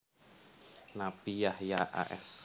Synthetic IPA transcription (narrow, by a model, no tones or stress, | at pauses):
napijahjaʔa̰ʔɛ̰s